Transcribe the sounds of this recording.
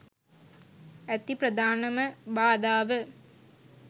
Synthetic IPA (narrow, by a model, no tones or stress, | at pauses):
æt̪iprəd̪aːnɐməbaːd̪aːʋə